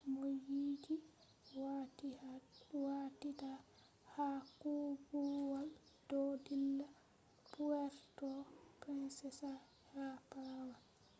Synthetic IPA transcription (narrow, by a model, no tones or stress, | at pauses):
mojiːd͡ʒi | watita | hakuɡuwal | d̥ɔdilːa | puwɛɾtɔpɛnsɛsa | hapawal